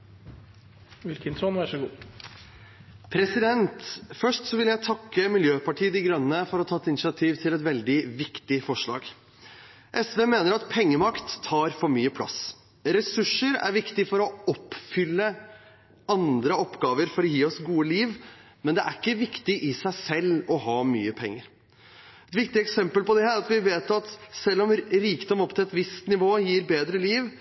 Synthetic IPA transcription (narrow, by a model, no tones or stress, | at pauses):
ʋɪlkənsɔnʋæʂəɡuː | pʰɾɛsɪd̪ɛnt̪fœʂʈsɔʋɪljæɪt̪ʰɑkːəmɪljøːpɑʈʰiːəd̪ɪɡɾœnənəfɔɾɔt̪ʰɑːɛt̪ɪnɪʃɪɑt̪ʰiːʋt̪ʰɪlɛt̪ʋɛld̪ɪʋɪkt̪ɪfɔʂɭɑ̰ːɡ | ʔɛsʋeːmeːnəɾɑt̪pʰɛŋːəmɑkt̪ʰːɑːɾfɔɾmyːəpʰlɑ̰s | ɾɛsʉʂəɾæ̰ɾʋɪkt̪ɪfɔɾɔɔpːfʏlːə | ɑnd̪ɾəɔpːɡɑːʋəɾfɔɾɔjiːɔsɡuːəliːʋ | mɛnd̪ɛʔæɾɪkːəʋɪkt̪ɪʔɪsæɪsɛlːɔɦɑːmy̰ːəpʰɛŋːəɾ | ɛt̪ʋɪkt̪ɪɛksɛmpəlpɔd̪ɛæɾɑt̪ʋɪʋeːt̪ɑt̪sɛlːɔmɾiːkd̪ɔmɔpːt̪ʰɪlɛt̪ʋɪst̪nɪʋoːjiːɾbeːd̪ɾəliːʋ